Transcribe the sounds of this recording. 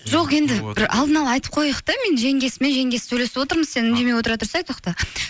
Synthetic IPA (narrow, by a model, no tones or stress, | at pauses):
ʒo̞qe̞nd̪ɪbɪɾɑ̰lˠd̪ənɑlˠɑɑjt̪ə̥p̚qʰojəqt̪ɑme̞nʒe̞ŋɡʲe̞sɪme̞nʒe̞ŋɡʲe̞ssɵjle̞sɪpwo̞t̪əɾməzse̞nɪnd̪e̞mejwo̞t̪əɾɑt̪ʰʊɾsɑjt̪ʰoqt̪ɑ